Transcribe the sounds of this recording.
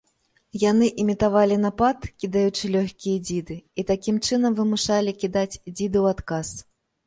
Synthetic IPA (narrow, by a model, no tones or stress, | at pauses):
janɨʔimʲit̪avalʲinapat̪kʲid̪ajut͡ʂɨlʲɔxʲkʲijɐd͡zʲid̪ɨit̪akʲimt͡ʂɨnɐmvɨmuʂalʲikʲid̪at͡sʲd͡zʲid̪ɨwat̪kas